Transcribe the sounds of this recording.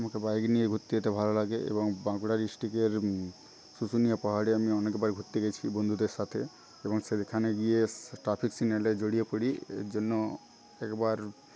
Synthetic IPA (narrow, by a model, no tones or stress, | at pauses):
amakebajɡnijeɡʱut̪ːiet̪ebʱalolaɡeʔḛbɔŋbãkuɽaɾisʈikeɾ | susunijapaɦaɽeamiɔnekbaɾɡʱut̪ːiɡɛt͡ɕʰibond̪ʱud̪eɾʃat̪ʰe | ebɔŋsed̪ekʰaneɡieʈɾapʰiksineled͡ʒoɽijepoɽiḛd͡ʒonːo | ɛkbaɾ